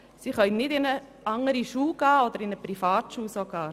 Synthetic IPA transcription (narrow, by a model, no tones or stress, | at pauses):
siχœʏnnːɪdɪnə | ʔɑŋəɾiʃuːɡ̥ɑːod̪əɾɪnəpɾifɑːtʃuːsoɡ̥ɑː